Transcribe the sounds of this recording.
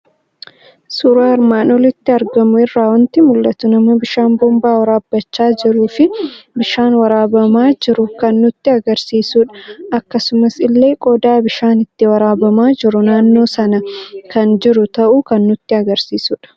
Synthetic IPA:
suːɾaːɪɾmaːnɔlɪt̪ːɪɐɾɡɐmʊɪrːaːwɐnt̪ɪmʊlːɐt̪ʊnɐmɐbɪʃaːnbɔmbaːwɐɾaːbːɐt͡ʃːaːd͡ʒɪɾuːfɪbɪʃaːnwɐɾaːbɐmaːd͡ʒɪɾʊkɐnːʊt̪ːɪɐɡɐɾsiːsuːᶑɐ̥ɐkːɐsʊmɐsɪlːe̞ːkʼɔd̪aːbɪʃaːnɪt̪ːɪwɐɾaːbɐmaːd͡ʒɪɾʊnaːnːo̞ːsɐnɐkʰɐnd͡ʒɪɾʊt̪ɐʔuːkɐnːʊt̪ːɪɐɡɐɾsiːsuᶑɐ̥

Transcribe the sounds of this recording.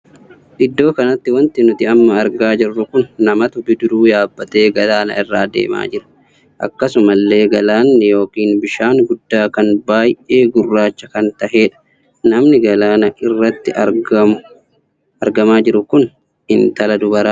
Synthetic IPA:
ᶑɪd̪ːo̞ːkɐnɐt̪ːɪwɐnt̪ɪnʊt̪ɪɐmːɐːɾɡaːd͡ʒɪrːʊkʊnːɐmɐt̪ʊbɪd̪ʊɾuːjaːbːɐt̪e̞ːɡɐlaːnɐ̰ɪrːaːd̪ḛːma̰ːd͡ʒɪɾɐ̥ | ʔɐ̰kːɐsʊmɐlːe̞ːɡɐlaːnːɪjo̞ːkiːnbɪʃaːŋɡʊd̪ːaːkɐnbaːjʔe̞ːɡʊrːaːt͡ʃːɐkɐnt̪ɐɦe̞ːᶑɐ̥ | nɐmnɪɡɐlaːnɐʔɪrːɐt̪ːɪʔɐɡɐmʊ | ɐɾɡɐmaːd͡ʒɪɾʊkʊn | ɪnt̪ɐlɐd̪ʊbɐɾaː

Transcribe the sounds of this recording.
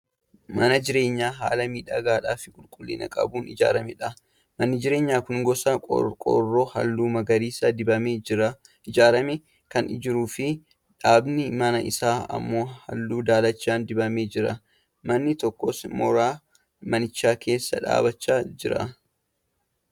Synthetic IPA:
mɐnɐd͡ʒɪɾe̞ːɲːaːɦa̰ːlɐmiːᶑɐɡaːᶑaːfɪ̥kʼʊlkʼʊlːḭːnɐ̰kʼɐ̰buːnɪd͡ʒa̰ːɾɐmɛᶑɐ | mɐnːɪd͡ʒɪɾe̞ːɲːaːkʊŋɡɔsɐ̰kʼɔ̰rːoːhɐ̰lːuːmɐɡɐɾiːsɐdɪbɐmeːɐ | ɪd͡ʒaːɾɐmɛ | kɐnɪd͡ʒɪɾuːfɪ | ᶑaːbnɪmɐnɐʔɪsaːɐ̰mːo̞ːhɐ̰lːuːd̪aːlɐt͡ʃːaːnd̪ɪbɐmeːd͡ʒɪɾɐ | mɐnːɪt̪ɔkːɔsmɔɾaː | mɐnɪt͡ʃːaːke̞ːsːɐ̰ᶑa̰ːbɐt͡ʃːaːd͡ʒɪɾɐ̰

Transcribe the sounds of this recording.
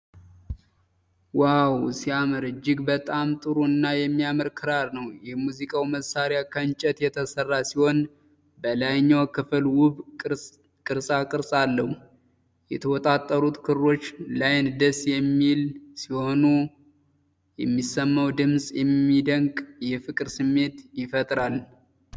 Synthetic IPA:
wawsiaməɾɨd͡ʒɪɡbət̪ʼamt̪ʼɨɾuɨnːajɛmːiaməɾkʰɨɾaɾnəwjɛmuzikʼawməsaɾjakʰənt͡ʃʼɛt̪jɛt̪ʰəsərːasiho̞n | bəlajɲːawkʰɨfɨlwʊβ | kʼɨɾsʼakʼɨɾsʼalːəhu | jɛ̰t̪ʰəwɔt̪ʼat̪ʼːəɾut̪kʰɨɾɾo̞t͡ʃːlajnd̪əsjɛmːilsiho̞nu | jɛmːisːəmːəwd̪ɨmsʼjɛmːid̪əŋkʼjɛfɨkʼɨɾsɨmːe̞t̪jɪfət̪ʼɾal

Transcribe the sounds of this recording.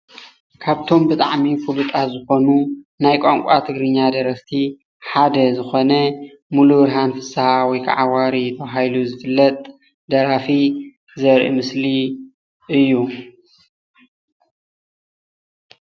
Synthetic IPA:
kʰaβt̪ʰo̞mbɨt̪ʼaʕmifulut̪ʼazɨxo̞nunajkʷʼaŋkʷʼat̪ʰɨɡɾɨɲːad̪ɐɾɐst̪ʰi | ħad̪ɐzɨxo̞nɐ | muluɾɦanfɨsawɔjkʰa̰ʕawaɾit̪ʰɐβɦajluzɨfɨlːɐt̪ʼ | d̪ɐɾafi | zɐɾʔḭmɨsli | ʔɨjːu

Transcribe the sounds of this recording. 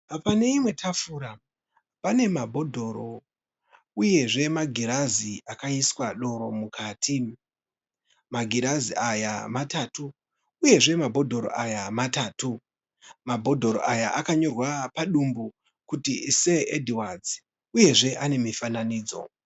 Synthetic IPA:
pane̞imwe̞tʰafuɾa | pane̞mabʱo̞dʱo̞ɾo̞ | uje̞ʐe̞maɡʱiɾaziakaiswaɗo̞ɾo̞mukʰaːtʰi | maɡʱiɾaziajamatatuː | je̞ʐe̞mabʱo̞dʱo̞ɾo̰ʔajamataːtu | mabʱo̞dʱo̞ɾo̰ʔajaʔakaɲo̞rwapaɗumbu | kutise̞edʱiwad͡zi | uje̞ʐe̞ʔane̞mifananiːd͡zo̞̰

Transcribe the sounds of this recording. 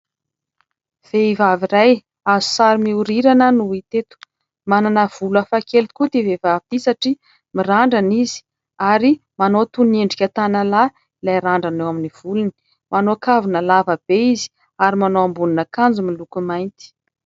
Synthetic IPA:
v̥eivaviɾaj | azu̥saɾimiuɾiɾanənuit̪et̪u̥ | mananəv̥ulafakelikut̪ivevavit̪isaʈ͡ʂi | miraɳɖ͡ʐanizi̥ | aɾimanot̪uneɳɖ͡ʐikʲat̪anala | ilajɾaɳɖ͡ʐanewaminiv̥uluni̥ | manoakavinəlavəb̥eizi̥ | aɾimanoambuninəkand͡zumilukumajnt̪i̥

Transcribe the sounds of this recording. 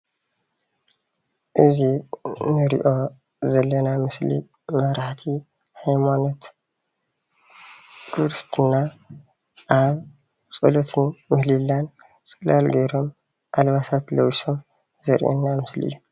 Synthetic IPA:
ʔɨzinɨɾḭʔo̞ | zɐlːɐnamɨslḭ | mɐβɾaħt̪ʰi | hajmano̞t̪ | ɡ̥ʰɨɾst̪ʰɨnːa | ʔaβ | t͡sʼɐlot̪ʰɨnmɨhlilːan | t͡sʼɨlalɡɐjɾo̞m | ʔalβasat̪lɐwso̞m | zɐɾʔɛ̰nːamɨsliʔɨ̰jːu

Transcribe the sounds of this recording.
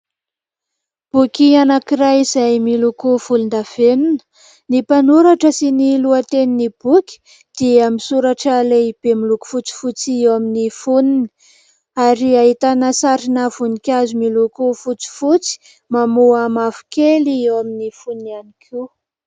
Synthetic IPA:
b̥ukianakirajizajmilukuvulund̪av̥eninə̥ | nipanuɾaʈ͡ʂəsiniluət̪eninib̥ukʲi̥ | d̪̥iamisuɾaʈ͡ʂəleib̥emiluku̥fut͡si̥fut͡siewaminifunini̥ | aɾiaɦit̪anəsaɾinavunikʲazumilukufut͡si̥fut͡si̥ | mamuamafu̥keliewaminifuninianikʰi

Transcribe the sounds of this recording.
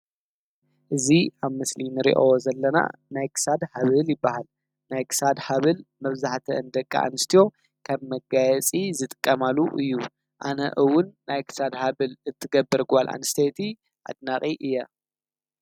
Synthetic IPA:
ʔɨziʔaβmɨslinɨɾḭʔozɐlːɐna̰najkʰɨ̥sad̪haβɨljɪbːahal | najkʰɨ̥sad̪haβɨlmɐβzaħt̪ʰɐ̰ɨnd̪ɐkʼːa̰ʔa̰nɨst̪ʰijo̞ | kʰɐβmɐɡajɛt͡sʼizɨt̪ʼɨ̥kʼːɐmaluʔɨ̰jːu | ʔanɐ̰ʔɨwʊnːajkʰɨ̥sad̪haβɨlɨt̪ʰːɨɡɐbːɨɾɡalʔa̰nɨst̪ʰet̪ʰi | ʔa̰d̪naχʼiʔɨjːɐ

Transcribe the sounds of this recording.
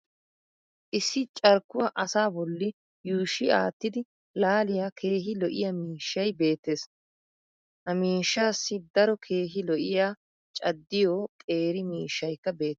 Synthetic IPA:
ʔɪsːɪt͡ʃʼɐɾkːʊwɐʔɐsaːbɔlːɪ | juːʃːɪa̰ːt̪ːɪd̪ɪ | laːlɪjaːkʰe̞ːɦɪlɔʔɪjɐmiːʃːɐjbe̞ːt̪ːe̞ːs | hɐmiːʃːaːsːɪd̪ɐɾɔkʰe̞ːɦɪlɔʔɪjaː | t͡ʃʼɐd̪ːɪjɔːkʼe̞ːɾɪmiːʃːɐjkːɐbe̞ːt̪ː

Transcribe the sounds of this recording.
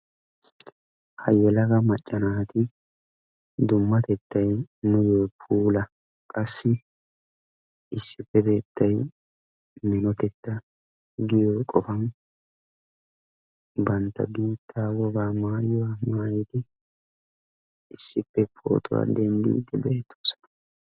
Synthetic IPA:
hɐjɛlɐkɐmɐt͡ʃʼːɐnaːt̪ɪ | d̪ʊmːɐt̪ɛt̪ːɐjnʊjɔːpʰuːlɐ | kʼɐsːɪ | ɪsːɪpːɛt̪ɛt̪ːɐj | mɪnɔt̪ɛt̪ːɐ | ɡɪjokʼɔfɐn | bɐnt̪ːɐ̰biːt̪ʰːaːwɔɡaːmaːjɪwamaːjɛt̪ɪ | ɪsːɪpːɛpʰo̰ːt̪ʊwa̰d̪ɛnd̪ḭːd̪ɪbeːt̪ʰːo̥ːsɔ̥nɐ̥

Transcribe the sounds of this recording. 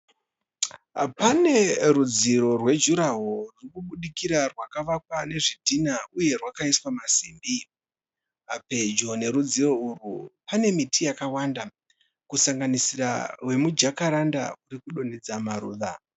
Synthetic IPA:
pane̞ɾud͡ziɾo̞rwe̞d͡ʒuɾaɦorukuɓuɗikiɾarwakaʋakwane̞ʐidʱinauje̞rwakaiswamasiːmbi | ape̞d͡ʒone̞ɾud͡ziro̞urupane̞mitʰijakawaːnda | kusaŋɡanisiɾa̰we̞mud͡ʒakaɾanda̰uɾikuɗoned͡zamaɾuːða

